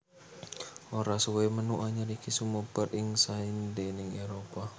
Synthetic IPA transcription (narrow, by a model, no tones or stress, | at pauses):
oɾasuwemənuʔaɲaɾikisumopərɪŋsaindenɪŋeɾopa